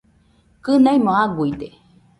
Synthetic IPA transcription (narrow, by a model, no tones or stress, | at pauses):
kɨnajmõaɡuit̪e